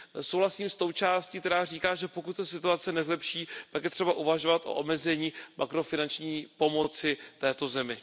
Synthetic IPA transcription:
sowlasiːmst̪o̞wt͡ʃaːscikt̪ɛɾaːr̝iːkaːʒɛpo̞kut̪sɛsɪt̪uat͡sɛnɛzlɛpʃiːt̪akjɛt̪r̝̥ɛbaʔuvaʒo̞vat̪ʔo̞̰ʔomɛzɛɲiːmʔakɾo̞fɪnant͡ʃɲiːpo̞mo̞t͡sɪt̪ɛːt̪o̞zɛmɪ

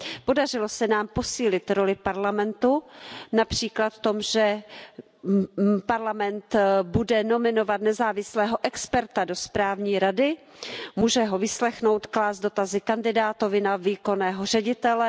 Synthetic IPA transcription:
po̞dar̝ɪlosɛnaːmpo̞siːlɪt̪ɾo̞lɪpaɾlamɛnt̪unapr̝̥iːklat̪ft̪o̞mʒɛ | paɾlamɛnt̪budɛno̞mɪno̞vat̪nɛzaːvɪslɛːɦo̞ʔɛkspɛɾt̪ado̞spɾaːvɲiːɾadɪ | muːʒɛɦo̞vɪslɛxno̞wt̪klaːzdo̞t̪azɪkandɪdaːt̪o̞vɪnaviːko̞nɛːɦor̝ɛɟɪt̪ɛlɛ

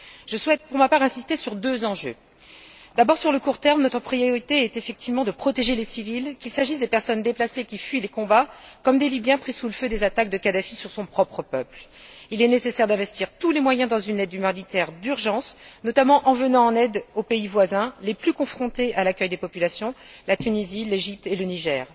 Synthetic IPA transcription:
ʒ̥əswɛt̪̚puʁmapaʁɛ̃sist̪esyʁd̪øzɑ̃ʒø̰ | d̪abɔʁsyʁləkuʁt̪ɛʁmnɔt̪χəpχijɔʁit̪eɛt̪efɛk̚t̪ivmɑ̃d̪əpχɔt̪eʒelesivilkʲilsaʒisd̪epɛʁsɔnd̪eplasekʲifɥilekɔ̃bakɔmd̪elibjɛ̃pχisuləfød̪ezat̪ak̚d̪əkad̪afisyʁsɔ̃pχɔpχəpœpl | ilɛnesesɛʁd̪ɛ̃vɛst̪iʁt̪ulemwajɛ̃d̪ɑ̃zynɛd̪ːymãʁd̪it̪ɛʁd̪yʁʒɑ̃snɔt̪amɑ̃ʔɑ̃vənɑ̃ɑ̃nɛd̪opeivwazɛ̃leplykɔ̃fχɔ̃t̪ealakʲœjd̪epɔpylasjɔ̃lat̪ynizileʒip̚t̪eləniʒɛːʁ

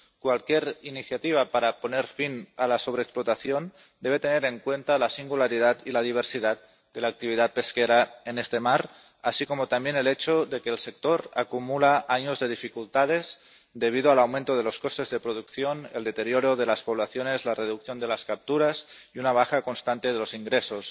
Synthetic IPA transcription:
kwalkjeɾiniθjat̪iβ̞apaɾapo̞neɾfinalaso̞β̞ɾeːksplot̪aθjon | d̪eβ̞e̞t̪e̞ne̞ɾe̞ŋkwe̞nt̪alasiŋɡulaɾið̞at̪ilað̞iβ̞eɾsiðat̪̚ | d̪elaːk̚t̪iβið̞at̪̚pe̞skeɾaenest̪emaɾ | asiko̞mot̪ambjenelet͡ʃoðe̞keːlsek̚t̪oɾa̰kumulaʔaɲozðe̞ð̞ifikult̪að̞ez | d̪e̞β̞ið̞oalawmẽnt̪oð̞e̞lo̞skost̪e̞zðepɾoð̞ukθjoneld̪e̞t̪eɾjoɾoðelaspoβ̞laθjone̞zlareðukθjo̞nd̪e̞laskap̚t̪uɾasiunaβ̞axako̞nst̪ant̪e̞ðelosiŋɡɾesos

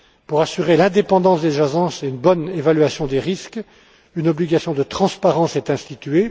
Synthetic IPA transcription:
puʁasyʁelɛ̃d̪epɑ̃d̪ɑ̃sd̪eʒazɑ̃seynbɔnevalɥasjɔ̃d̪eʁisk | ynɔbliɡasjɔ̃d̪ət̪χɑ̃spaʁɑ̃sɛt̪ɛ̃st̪it̪ɥe

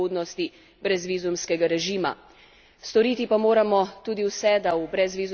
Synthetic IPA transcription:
oːd̪nɔst̪i | bɾɛzʋiːzumskɛɡaɾɛʒiːma̰ | st̪ɔɾiːt̪ipamoːɾamɔt̪uːd̪iwsɛd̪aubɾɛzʋiːzu

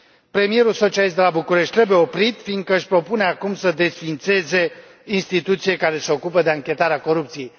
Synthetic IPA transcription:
pɾe̞mije̞ɾulso̞t͡ʃialist̪d̪elabukuɾeʃt̪̚ʲɾe̞buje̞o̞pɾit̪find̪̚kəɨʃʲpɾo̞pune̞akumsəd̪e̞sfint̪se̞ze̞ | inst̪it̪ut̪sije̞kaɾe̞seo̞kupəd̪e̞aŋkʲe̞t̪aɾeako̞ɾupt̪sije̞j

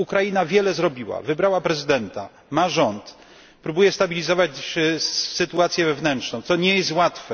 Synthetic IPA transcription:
ukɾajinavʲjɛlɛzɾɔbʲiwa̰vɘbɾawapɾɛzɘd̪ɛnt̪a̰ | maʐɔnt̪ | pɾubujɛst̪abʲilʲizɔvat͡ɕ | sɘt̪uat̪sʲjɛvɛvnɛntt͡ʂʂnɔ̃w̃t̪sɔɲɛjɛst̪wat̪fɛ

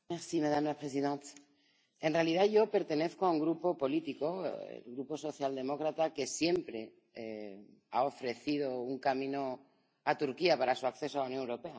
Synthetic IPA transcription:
mesimeðamlapɾes̬iðent̪ | e̞nrealið̞aʝo̞pe̞ɾt̪e̞ne̞θkoauŋɡɾupo̞po̞lit̪iko̞ḛlɣɾupo̞so̞θjald̪e̞mo̞kɾat̪ake̞sje̞mpɾe̞ | e | a̰o̞fɾe̞θið̞o̞uŋkamĩno̞ | at̪uɾkiapaɾasuakθe̞s̬oalawnjonewɾo̞pe̞a

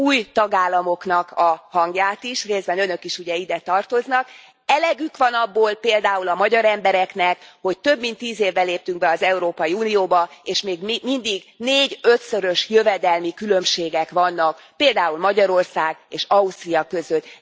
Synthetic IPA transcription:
uːjt̪ɒɡaːlːɒmo̞kn̪ɒkɒhɒŋɡjaːt̪iʃreːzbɛnø̞nø̞kiʃuɟɛid̪ɛt̪ɒrt̪o̞znɒk | ɛlɛɡykʋɒnɒbːoːlpeːld̪aːulɒmɒɟɒɾɛmbɛɾɛknɛkho̞ct̪ø̞bmint̪ːiːzeːvːɛleːp̚t̪yŋɡ̚bɛɒzɛuɾoːpɒjiuːnijoːbɒeːʃmeːɡmmind̪iɡneːɟø̞t̪søɾø̞ʃjøvɛd̪ɛlmikylø̞mʃeːɡɛkʋɒnːɒk | peːld̪aːulmɒɟɒɾo̞rsaːɡeːʃɒust̪rijɒkø̞zøt̪ː

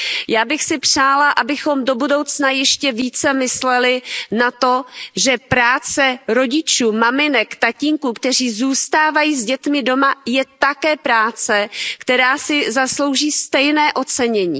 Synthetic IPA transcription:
jaːbɪxsɪpr̝̥aːlaʔabɪxo̞mdo̞budo̞wt͡snajɛʃcɛviːt͡sɛmɪslɛlɪnat̪o̞ʒɛpɾaːt͡sɛɾo̞ɟɪt͡ʃuːmamɪnɛkt̪aciŋkuːkt̪ɛr̝iːzuːst̪aːvajiːzɟɛt̪mɪdo̞majɛt̪akɛːpɾaːt͡sɛkt̪ɛɾaːsɪzaslo̞wʒiːst̪ɛjnɛːʔo̞t͡sɛɲɛɲḭː

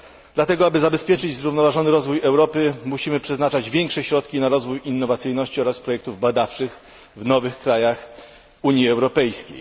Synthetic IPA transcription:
d̪̥lat̪ɛɡɔabɘzabɛspʲjɛt͡ʂɘd͡ʑzɾuvnɔvaʐɔnɘɾɔzvujɛwɾɔpɘmuɕimɘpʂɛznat͡ʂad͡ʑvʲjɛŋkʂɛɕɾɔt̪kʲinaɾɔzvujinːɔvat̪sɘjnɔɕt͡ɕiɔɾaspɾɔjɛk̚t̪uvbad̪aft͡ʂɘx | vnɔvɘxkɾajax | uɲjiɛwɾɔpɛjskʲḛj

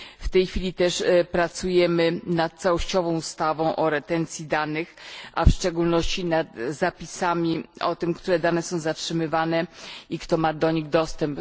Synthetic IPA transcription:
ft̪ɛjxfʲilʲit̪ɛʂpɾat̪sujɛmɘnat̪̚t̪sawɔɕt͡ɕɔvɔ̃w̃ust̪avɔ̃w̃ʔɔɾɛt̪ɛnt̪sʲjid̪anɘxa̰fʂt͡ʂɛɡulnɔɕt͡ɕinad̪zapʲisamʲiɔt̪ɘmkt̪uɾɛd̪anɛsɔ̃w̃zatʂɘmɘvanɛikt̪ɔmad̪ɔɲiɣd̪ɔst̪ɛmp

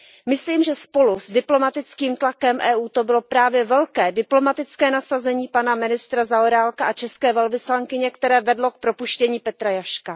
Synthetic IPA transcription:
mɪsliːmʒɛspo̞luzdɪplo̞mat̪ɪt͡skiːmt̪lakɛmʔɛːʔuːt̪o̞bɪlo̞pɾaːvjɛvɛlkɛːdɪplo̞mat̪ɪt͡skɛːnasazɛɲiːpanamɪnɪst̪ɾazaoɾaːlkaʔat͡ʃɛskɛːvɛlvɪslaŋkɪɲɛkt̪ɛɾɛːvɛdlo̞k̚pɾo̞puʃcɛɲiːpɛt̪ɾajaʃka

